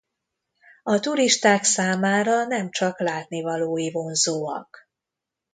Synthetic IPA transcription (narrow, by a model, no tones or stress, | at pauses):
ɒt̪uɾiʃt̪aːksaːmaːɾɒnɛmt͡ʃɒklaːt̪nivɒloːjivo̞nzoːɒ̰k